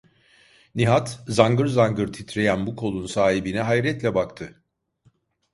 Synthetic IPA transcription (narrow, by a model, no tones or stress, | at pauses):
niɦat̪zaŋɡɯɾzaŋɡɯɾt̪ʰit̪ɾe̞jænbukʰo̞lˠunsaːɦibinɛɦajɾɛt̪lʲɛbakt̪ʰɯ